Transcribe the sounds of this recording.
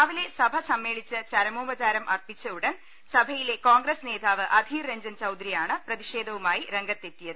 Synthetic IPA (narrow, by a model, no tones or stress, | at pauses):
ɐʋile̞sɐbʱɐsɐmːe̞ːɭit͡ɕːɨt͡ɕɐɾɐmoːbɐt͡ɕaːɾɐmʔɐrpit͡ɕːɐuɽɐn | sɐbʱɐjile̞koːŋɡɾesne̞ːd̪ʱaːʋɨʔɐd̪ʱireɲd͡ʑɐnt͡ɕɐwd̪ɾijaːɳɨprɐðiʂeːd̪ʱɐʋumaːjiɾeŋɡɐt̪ːe̞t̪ːijɐðɨ